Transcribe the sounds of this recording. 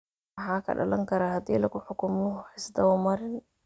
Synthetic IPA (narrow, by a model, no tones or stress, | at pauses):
ħaːkʰɐ̰ɖɐ̰lɐ̰ŋkʰɐɾahɐd̪ḭːlɐɡʊħʊkʰʊmɔħɪsd̪ɐʊmɐɾɪn